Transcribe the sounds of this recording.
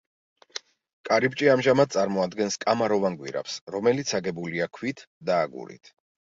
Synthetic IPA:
kʼaɾip̚ʼt͡ʃʼiamʒamad̪̚sʼaɾmɔad̪ɡɛnskʼamaɾɔvaŋɡwḭɾa̰psɾɔmɛlit̪sʰaɡɛbuliakʰwit̪ʰd̪aːɡṵɾḭt̪ʰ

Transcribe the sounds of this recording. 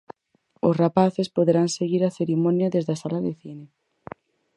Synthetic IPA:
ʊsrapaθespoðeɾaŋseɣiɾaθeɾimɔnjaðezðasalaðeθine

